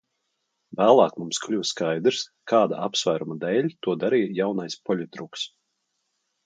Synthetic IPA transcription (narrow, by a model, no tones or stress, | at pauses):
væːlˠɑːkmumsklʲuwskajd̪ɾskʰaːd̪aʔapsvæːɾumad̪ɛːlʲt̪uɔd̪aɾijjawnajspɔlʲut̪ɾuks